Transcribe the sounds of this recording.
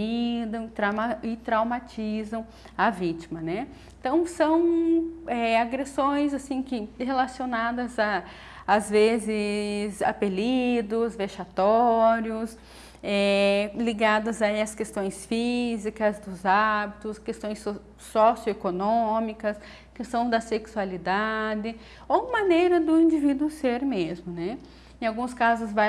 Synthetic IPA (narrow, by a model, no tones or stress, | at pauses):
id̪ɐ̃w̃t̪ɾamaɪt̪ɾawmat͡ʃizɐ̃w̃ | ɐvit͡ʃimɐnɛ | ẽt̪ɐ̃w̃sɐ̃w̃ɛaɡɾesõj̃zasĩkɪhelasionad̪ɐzaː | zvezɪza̰pelid̪ʊzveʃat̪ɔɾjʊs | ɛliɡad̪ɐzaiɐskest̪õj̃sfizikɐzd̪ʊzabit̪ʊskest̪õj̃s | sɔsjʊekonõmikɐs | kest̪ɐ̃w̃zd̪ɐseksualid̪ad̪ɪ | owmɐ̃nejɾɐd̪ʊĩd͡ʒivid̪uʊseɾmezmʊnɛ | ẽawɡũskazʊzva